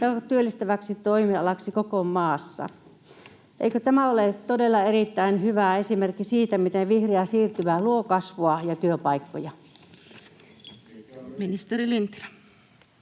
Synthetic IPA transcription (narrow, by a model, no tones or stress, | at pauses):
jɑt̪yølːist̪æʋæksit̪oimiɑlɑksikokomɑːsːɑ̰ | ʔḛikøt̪æmæolet̪odelːɑerit̪ːæinhyʋæesimerkːisiːt̪æmit̪eʋihreæsiːrt̪yʋæluokɑsʋoɑjɑt̪yøpɑikːo̰jɑ | minist̪erilint̪r